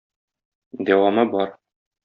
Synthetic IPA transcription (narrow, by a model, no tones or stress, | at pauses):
d̪æwɑmɤbɒɾ